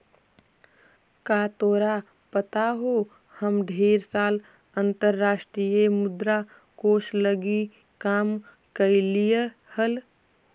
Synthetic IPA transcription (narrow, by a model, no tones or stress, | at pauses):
kaːt̪oːɾa | pət̪aɦo | həmɖʱeːɾsaːl | ənt̪əɾːaːsʈɾijemʊd̪ɾa | koːsləɡi | kaːm | kəlije | həl